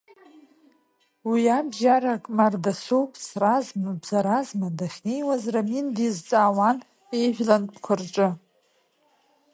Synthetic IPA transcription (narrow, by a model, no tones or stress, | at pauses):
wiabʒaɾakʼmardasowpʼʰsrazmabzaɾazmadaχʲne̞jwazramindizt͡sʼaːwan | e̞jʒʷᶣlanpʰkʷʰʊrʈ͡ʂʼɨ